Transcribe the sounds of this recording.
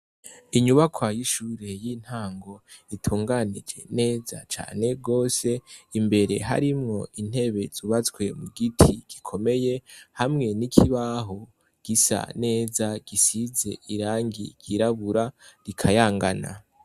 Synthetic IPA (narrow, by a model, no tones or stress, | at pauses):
iɲuβakʰwajiʃuːɾe̞jiːn̥haːŋɡo̞itʰuːŋɡanid͡ʒe̞̰ne̞ːza̰t͡ʃa̰ːne̞ɡo̞ːse̞imbe̞ɾe̞ɦa̰ɾimŋo̞ʔin̥he̞βe̞zuβat͡skwe̞muɡitʰiɡ̥ikʰo̞me̞je̞hamŋe̞nikʰiβaɦo | ɡ̥isa̰ne̞ːzaɡ̥isize̞̰iɾaːŋɡḭɡ̥iɾaβuɾaɾikʰajaːŋɡana̰